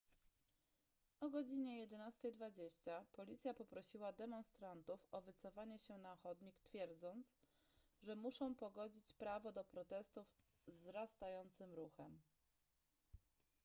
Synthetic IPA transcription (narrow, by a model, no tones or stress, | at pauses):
ʔɔɡɔd͡ʑiɲɛjɛd̪ɛnast̪ɛjd̪vad͡ʑeɕt͡ɕapɔlʲit̪sʲjapɔpɾɔɕiwad̪ɛmɔnst̪ɾant̪ufɔvɘt̪sɔfaɲɛɕɛnaxɔd̪ɲikt̪fʲjɛɾd̪zɔnt̪s | ʐɛmuʂɔ̃w̃pɔɡɔd͡ʑit͡ɕpɾavɔd̪ɔpɾɔt̪ɛst̪uv | zvzɾast̪ajɔnt̪sɘmɾuxɛm